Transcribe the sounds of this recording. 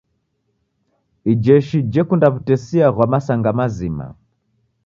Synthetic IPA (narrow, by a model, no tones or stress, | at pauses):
id͡ʒɛʃid͡ʒɛkundaβutɛsiaɣwamasaŋɡamazima̰